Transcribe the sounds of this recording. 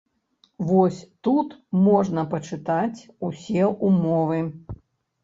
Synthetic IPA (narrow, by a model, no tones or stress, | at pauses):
vɔsʲt̪ut̪mɔʐnɐpɐt͡ʂɨt̪at͡sʲusʲɛʔumɔvɨ